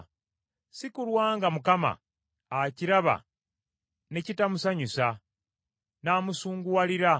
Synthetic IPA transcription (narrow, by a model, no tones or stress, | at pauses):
sikulwaːŋɡamukama̰ | aciɾaβa̰ | ne̞citamusaɲusa | naːmusuːŋɡuwaliɾa